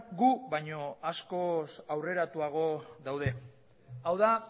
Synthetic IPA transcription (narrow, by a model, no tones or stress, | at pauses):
ɡuβajɲo̞asko̞sawre̞ɾat̪uaɣ̞o̞ðawð̞e̞ | awða